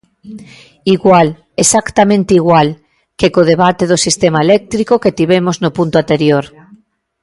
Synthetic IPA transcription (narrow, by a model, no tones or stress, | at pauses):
iɣwal | esakt̪amẽnt̪iɣwal | kekoð̞eβat̪eðosist̪emaelek̚t̪ɾikoket̪iβemoznopũnt̪oant̪eɾjoɾ